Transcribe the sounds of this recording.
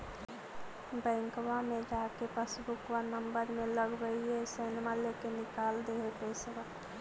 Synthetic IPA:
bɛ̃ːŋkʋamẽd͡ʒaːkepəsbʊkwanəmbəɾmẽləɡbəiesɛːnmaleːkenɪkaːld̪eːepeːsʋa

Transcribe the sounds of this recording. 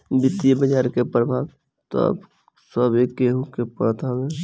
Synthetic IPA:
bɪt̪ːibəd͡ʒaːɾkepɾəbʱaːʋ | t̪ɔ̰b | səbekeɦũkepət̪awe

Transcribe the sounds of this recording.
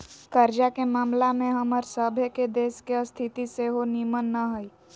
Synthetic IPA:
kəɾd͡ʒakemaːmlamẽɦəməɾsəbʱeked̪eːskeəst̪ʰit̪iseɦonimənːaɦəi

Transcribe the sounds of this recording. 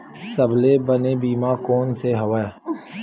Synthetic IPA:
səblebənebiːmaːkoːnseɦəʋa

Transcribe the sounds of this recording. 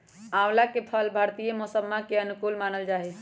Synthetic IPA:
awlakepʰəlbʱaɾt̪ijemɔsəbmakeənukulmanəld͡ʒaɦɛ

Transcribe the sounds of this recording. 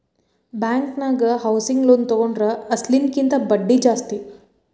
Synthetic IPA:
baːŋknaːɡɐhɐwsiŋɡlont̪ɔɡoɳɖɾɐɐslinkint̪ɐbɐɖːid͡ʒaːst̪i

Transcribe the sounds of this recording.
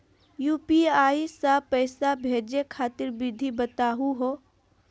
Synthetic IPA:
juːpiaːisaːpɛɪsabʱeːd͡ʒekʰaːt̪ɪɾbɪd̪ʱibət̪aːɦuɦoː

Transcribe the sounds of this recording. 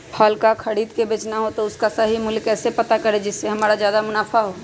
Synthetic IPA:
pʰɔːlkakʰɐɽiːd̪kebeːt͡ʃnaɦot̪oʊskasaɦimʊlkɛːsepɐt̪akɐɾed͡ʒɪsːeɦɐmaːɾazjaːd̪amʊnaːfaɦoː

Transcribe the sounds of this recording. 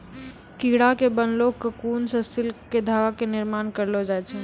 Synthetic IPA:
kiɽakebənloːkkːəkuːnsəsɪlked̪ʱaːɡakenɪɾmaːnkəɾlod͡ʒaːɛt͡ʃʰɛ

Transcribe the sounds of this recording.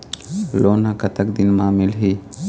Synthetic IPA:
loːnãkɐt̪əkd̪inmãːmɪlɦi

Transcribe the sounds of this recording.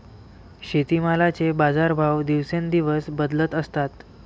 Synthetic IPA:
ɕet̪imalat͡sebad͡zaɾbʱawd̪iʋsend̪iʋəsbəd̪lət̪əst̪at̪

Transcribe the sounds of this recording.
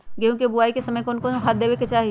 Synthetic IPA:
ɡeɦũkebʊaːikesɐməjkoʊnkoɦat̪̚d̪eːʋeket͡ʃaːɦi

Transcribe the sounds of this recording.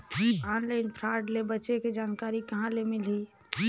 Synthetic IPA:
aːnlaɪnpʰɾaɖlebətːʃeked͡ʒaːnkaːɾikɐɦãlemɪli

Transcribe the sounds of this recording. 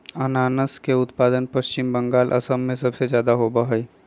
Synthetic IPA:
ənaːnəskeʊt̪paːd̪ənpəst͡ʃɪmbəŋɡaːlʔə̰səmːẽsəbsed͡ʒjaːd̪aɦobəɦəi

